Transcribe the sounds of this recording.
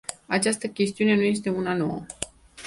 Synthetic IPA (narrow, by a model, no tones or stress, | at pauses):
at͡ʃast̪əkʲe̞st̪iune̞nuje̞s̬t̪e̞unano̞̰wə̰